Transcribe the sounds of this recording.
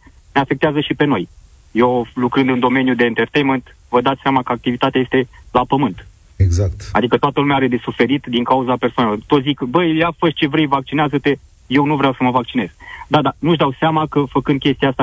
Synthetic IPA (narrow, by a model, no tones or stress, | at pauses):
neafekt̪eazəʃipe̞no̞j | jewlukɾɨnd̪ɨnd̪o̞me̞njud̪e̞ːnt̪ert̪ejment̪ | vəd̪at̪seamakəak̚t̪ivit̪at̪eajest̪e̞lapəmɨnt̪ | eɡzak̚t̪a̰d̪ikət̪oat̪əlumeaaɾe̞d̪e̞sufe̞ɾit̪d̪iŋkauzape̞rsoanelort̪o̞t̪zikbəjjafəʃt͡ʃe̞vɾe̞jvak̚t͡ʃineazət̪e̞ | je̞wnuvɾeawsəməvak̚t͡ʃine̞z̥d̪ad̪anuʒd̪awseamakəfəkɨnd̪̚kʲe̞st̪iaast̪a